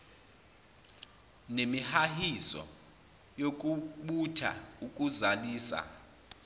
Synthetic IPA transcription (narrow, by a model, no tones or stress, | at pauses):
nemihahisɔ̰ | jokʼuɓutʰa̰ukʼuzaliːsa̰